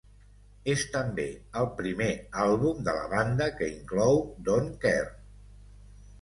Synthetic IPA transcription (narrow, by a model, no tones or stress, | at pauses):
est̪əmbeəlˠpɾimealˠβumd̪ələ̰βand̪əkəiŋklɔwd̪oŋkɛr